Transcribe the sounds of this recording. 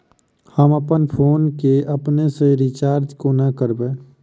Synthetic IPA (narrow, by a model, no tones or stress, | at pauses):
həməpənpʰoːnkeəpneseɾɪt͡ʃaːɾd͡ʒkonəkəɾbeː